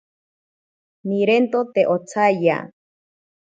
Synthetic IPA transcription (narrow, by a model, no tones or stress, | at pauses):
miɾent̪ot̪eʔot͡sʰaja̰